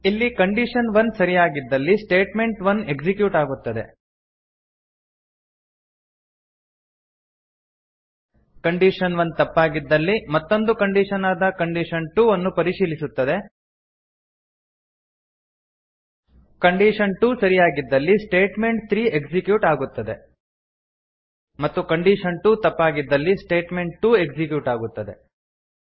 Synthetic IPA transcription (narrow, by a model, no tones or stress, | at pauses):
ilːikɐɳɖiʂɐnʋɐnsɐɾijaːɡid̪ːɐlːisʈe̞ːʈme̞ɳʈʋɐne̞ɡd͡ʒikjuːʈaːɡut̪ːɐd̪e̞̰ | kɐɳɖiʂɐnʋɐnt̪ɐpːaːɡid̪ːɐlːimɐt̪ːo̞nd̪ukɐɳɖiʂɐnaːd̪ɐkɐɳɖiʂɐnʈuːʋonːupɐɾiʂiːlisut̪ːɐd̪e̞ | kɐɳɖiːʂɐnʈuːsɐɾijaːɡid̪ːɐlːisʈe̞ːʈme̞ɳʈ̚t̪ɾiːe̞ɡsikjuːʈaːɡut̪ːɐd̪e̞ | mɐt̪ːukɐɳɖiːʂɐnʈuːt̪ɐpːaːɡid̪ːɐlːisʈe̞ːʈme̞ɳʈ̚ʈuːeɡd͡ʒikjuːʈaːɡut̪ːɐd̪e̞